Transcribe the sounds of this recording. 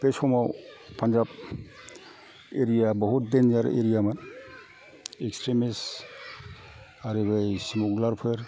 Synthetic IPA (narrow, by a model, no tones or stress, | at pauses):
pesɔmawpʰand͡ʒab | eɾijabɔɦutdend͡ʒaɾḛɾijaman | ekstɾimis | aɾibajsimuɡlaɾpʰeɾ